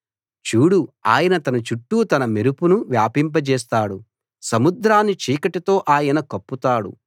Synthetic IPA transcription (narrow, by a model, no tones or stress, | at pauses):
t͡ʃuːɽua̰ːjɐnɐt̪ɐnɐt͡ʃuʈːut̪ɐnɐmeɾupunuʋjaːpimp̬ɐt͡ʃɛːs̬t̪aːɽu | sɐmud̪ɾaːnːit͡ʃiːkɐʈit̪o̞ːʔaːjɐnɐkɐpːut̪aːɽṵ